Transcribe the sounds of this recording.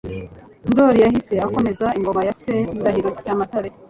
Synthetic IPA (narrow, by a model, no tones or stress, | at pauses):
ndoɾijahise̞ako̞me̞zaiŋɡo̞majaseindahiɾocaːmataɾe